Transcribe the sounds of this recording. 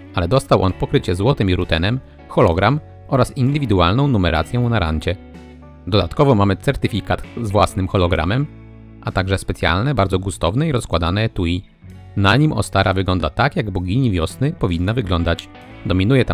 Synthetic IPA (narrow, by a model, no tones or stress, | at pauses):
ʔalɛd̪ɔst̪awʔɔnpɔkɾɘt͡ɕɛzwɔt̪ɘmiɾut̪ɛnɛm | xɔlɔɡɾam | ʔɔɾasind̪ɘvʲid̪ualnɔ̃w̃numɛɾʔa̰t̪sʲjɔ̃w̃naɾa̰ɲt͡ɕɛ | d̪ɔd̪a̰t̪kɔvɔmamɘt̪sɛɾt̪ɘfʲikat̪zvwasnɘmxɔlɔɡɾa̰mɛm | ʔat̪aɡʐɛspɛt̪sʲja̰lnɛbaɾd̪zɔɡust̪ɔvnɛiɾɔskwad̪anɛt̪uji | naɲimɔ̰st̪aɾʔavɘɡlɔnd̪at̪akjaɡbɔɡʲiɲivʲjɔsnɘpɔvʲinːavɘɡlɔnd̪at͡ɕ | d̪ɔmʲinujɛt̪a